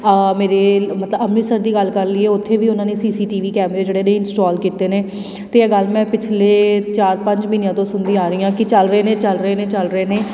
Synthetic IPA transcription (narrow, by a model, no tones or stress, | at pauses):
meːɾeːmət̪ləbəmniːsəɾd̪iːɡəlkəɾliːeːʊt̪ʰːeːʋiːʊnãːneːsiːsiːʈiːʋiːkɛːmɾeːd͡ʒeːɽeːnẽːɪnsʈɔːlkiːt̪eːneː | t̪eːɛːɡəlmɛ̃ːpɪt͡ʃʰleːt͡ʃaːɾpə̃ɲd͡ʒmiːnijãːt̪õːsʊnd̪ĩaːɾəiːãːkɪt͡ʃəlɾeːnẽːt͡ʃəlɾəeːnẽːt͡ʃəlɾəeːneː